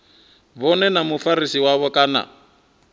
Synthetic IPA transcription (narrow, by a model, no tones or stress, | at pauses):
βɔnɛnamufaɾisiwaβɔkʼaːna̰